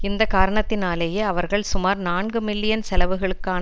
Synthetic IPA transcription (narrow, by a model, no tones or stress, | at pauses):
ɪnd̪ɐkaːɾɐɳɐt̪ːɪnaːleːjeːɐʋɐɾɣɐɭsʊmaːɾnaːnɡɯmɪlːɪjɐnsɛlɐʋɯɣɐɭɯkːaːn